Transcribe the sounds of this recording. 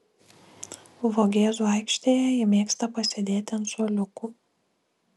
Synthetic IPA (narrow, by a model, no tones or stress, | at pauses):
ʋoɡʲeːzuːɑɪkʃʲt̪ʲeːjɛjɪmʲeːkst̪ɐpɐsʲed̪ʲeːt̪ʲɪɛnsuɔlʲʊkʊ